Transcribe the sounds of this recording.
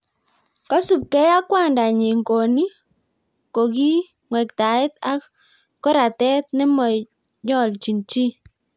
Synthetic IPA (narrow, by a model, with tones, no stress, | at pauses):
ka˦su˨p̚kɛ˦ja˦kwa˦˨nda˨ɲe˨ŋɡo˨ni˦ | ko˨ki˦ | ŋwɛ˨kta˨ɪ˦ta˦ | kɔ˦ɾa˨tɛ˦t̚nɛ˦mɔ˨ | ɲɔ˦˨lt͡ʃi˨nt͡ʃi˦